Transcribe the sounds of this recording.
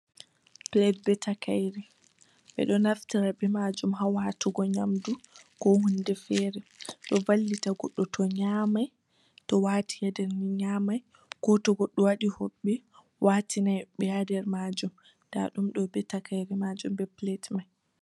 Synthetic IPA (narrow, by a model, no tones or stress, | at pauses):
plɛt̚bɛtakajɾi | ɓɛ̰ɗɔnaftiɾabɛmad͡ʒumɦawatuɡɔɲamdukɔhundɛfɛɾɛɗɔvalːitaɡɔɗːɔtʰɔɲamaj | tɔwaːtʰijadɛɾniɲamaj | kɔtɔɡɔɗːɔwaɗihoɓːɛ | wʔatinajɓɛjadɛɾmad͡ʒum | d̥a̰ɗumɗɔbɛtakajɾimad͡ʒumbɛplɛtmaj